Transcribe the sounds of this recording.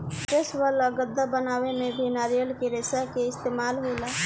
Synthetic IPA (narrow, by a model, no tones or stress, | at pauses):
keswələɡəd̪ːabənaːwemẽbʱenaːɾijəlkeɾesakeɪst̪eːmaːlɦola